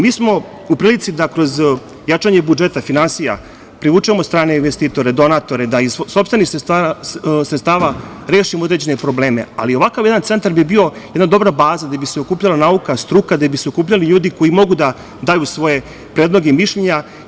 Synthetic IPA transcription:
miːsmo̞ | upɾiːlit̪sid̪akɾo̞z | jat͡ʂaɲe̞bud͡ʒe̞t̪afinansija̰ | pɾiʋut͡ʃuemost̪ɾaːneinʋest̪iːt̪o̞ɾed̪o̞nat̪o̞ɾed̪aizsopst̪ʋenis | sɾet̪st̪aːʋa | ɾe̞ːʃimood̪ɾed͡ʑe̞ne̞pɾo̞ble̞ːme̞̰a̰lio̞ʋakaʋjɛd̪ant̪se̞nt̪aɾbibio̞jɛd̪nad̪o̞bɾabaːzad̪abiseo̞kuːpʎalanaukast̪ɾuːkad̪abiseo̞kuːpʎaliʎuːd̪iko̞jimo̞ɡud̪a | d̪aːjusʋo̞je̞ | pɾed̪lˠo̞ɡeimiʃʎeɲa

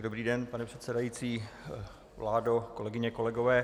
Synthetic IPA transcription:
dobɾiːdɛnpanɛpr̥ɛt̪sɛdajit͡siː | vlaːdoko̞lɛɡɪɲɛko̞lɛɡovɛː

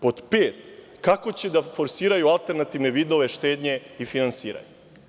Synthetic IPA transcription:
po̞t̪peːt̪ | kako̞t͡ɕed̪afo̞ɾsiːɾajualˠt̪e̞ɾnat̪iʋneʋiːd̪o̞ʋe̞ʃt̪eːd̪ɲe̞ifinansiːɾa̰ɲe

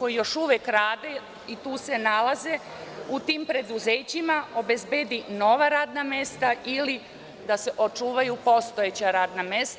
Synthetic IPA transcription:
kojijo̞ʃuʋjekɾaːd̪e | it̪uːse̞nalaze̞ | ut̪iːmpɾe̞d̪uzeːt͡ɕimao̞be̞zbeːd̪ino̞ʋaɾaːd̪name̞st̪aili | d̪ase̞ʔot͡ʃuːʋajupo̞st̪o̞et͡ɕaɾaːd̪name̞st̪

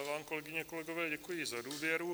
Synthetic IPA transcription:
vaːmko̞lɛɡɪɲɛkolɛɡovɛːɟɛkujɪzaduːvjɛɾu

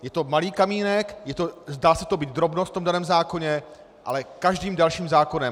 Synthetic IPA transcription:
jɛt̪o̞maliːkamiːnɛkjɛt̪ozdaːsɛt̪o̞biːt̪̚d̪ɾo̞bnost̪t̪omdanɛːmzaːko̞ɲɛ | ʔa̰lɛkaʒdiːmdalʃiːmzaːko̞nɛm

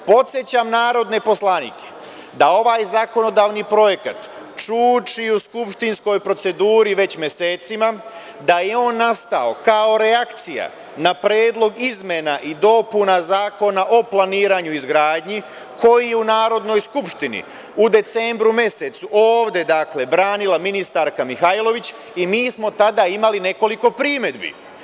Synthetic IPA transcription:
po̞t̪sje̞t͡ɕamnaːɾo̞d̪ne̞po̞slˠanḭːkʰe̥ | d̪ao̞ʋaːjzako̞no̞d̪aːʋnipɾo̞je̞kat̪ | t͡ʃuːt͡ʃiuskupʃt̪insko̞jpɾo̞t̪se̞d̪uːɾiʋe̞t͡ɕmʲjese̞ːt̪sima | d̪ajeo̞ːnːast̪ao̞kao̞ɾe̞akt̪sija̰ | napɾjeːd̪lˠo̞ɡizme̞naʔid̪o̞punazaːko̞naʔo̞plˠaniːɾaɲuizɡɾaːd̪ɲi | kʰo̞jijeunaːɾo̞d̪no̞jskupʃt̪inḭ | ud̪e̞t̪se̞ːmbɾume̞set̪suʔo̞ːʋd̪e̞d̪akle̞bɾaːnilaminist̪aɾkamixajlˠo̞ʋit͡ɕ | imiːsmo̞t̪ad̪aimaline̞ko̞liko̞pɾiːme̞d̪bḭ

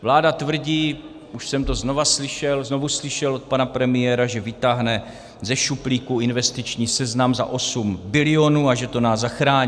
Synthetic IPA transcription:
vlaːdat̪vr̩ɟiː | ʔuʃsɛmt̪o̞zno̞vaslɪʃɛlzno̞vuslɪʃɛlʔot̪̚panapɾɛmɪjɛɾaʒɛvɪt̪aɦnɛ | zɛʃupliːkuɪnvɛst̪ɪt͡ʃɲiːsɛznamza̰ʔo̞sumbɪlɪo̞nuːaʒɛt̪o̞naːzzːaxɾaːɲ

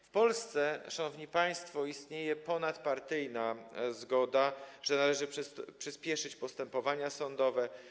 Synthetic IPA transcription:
fpɔlst̪sɛʂanɔvɲipaj̃st̪fɔist̪ɲejɛpɔnat̪paɾt̪ɘjnazɡɔd̪aʐɛnalɛʐɘpʂɘspʲjɛʂɘt͡ɕpɔst̪ɛmpɔvaɲasɔnd̪ɔvɛ

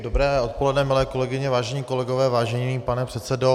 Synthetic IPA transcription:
dobɾɛːʔot̪̚po̞lɛdnɛmɪlɛːko̞lɛɡɪɲɛvaːʒɛɲiːko̞lɛɡovɛːvaːʒɛɲiːpanɛpr̥ɛt̪sɛdo

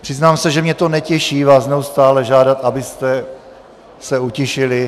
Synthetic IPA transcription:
pr̥ɪznaːmsɛʒɛmɲɛt̪o̞nɛcɛʃiːvaːsnɛust̪aːlɛʒaːdat̪ʔabɪst̪ɛ | sɛucɪʃɪlɪ

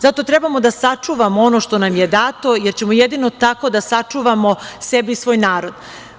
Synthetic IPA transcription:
zat̪o̞t̪ɾebamo̞d̪asat͡ʂuʋamoo̞no̞ʃt̪o̞namjed̪aːt̪o̞jeɾt͡ɕemojed̪ino̞t̪ako̞d̪asat͡ʂuʋamo̞sebiisʋo̞ːjnaːɾo̞d̪

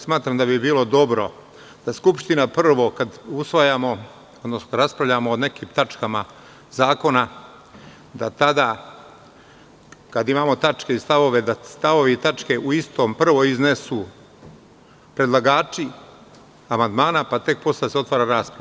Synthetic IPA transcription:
smaːt̪ɾamd̪abibiːlo̞d̪o̞bɾo̞ | d̪̥askupʃt̪inapr̩ʋo̞kad̪usʋajamo̞ | od̪nosnoɾaspɾaʋʎamoːne̞kiːmt̪at͡ʃkama | zaːko̞na | d̪at̪ad̪a | kad̪imaːmo̞t̪at͡ʃke̞ist̪aʋo̞ʋe̞d̪ast̪aʋo̞ʋiit̪at͡ʃke̞ʔuist̪o̞ːmpr̩ʋo̞iznesu | pɾe̞d̪lˠaɡaːt͡ʃi | amand̪maːnapat̪e̞k̚po̞saseo̞t̪ʋaːɾaɾaːspɾa

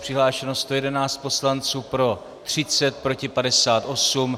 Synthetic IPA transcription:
pr̥ɪɦlaːʃɛnost̪o̞jɛdɛnaːt͡st̪̚po̞slant͡suːpɾo̞ | t̪r̝̥ɪt͡sɛt̪̚pɾo̞cɪpadɛsaːt̪ʔo̞sum

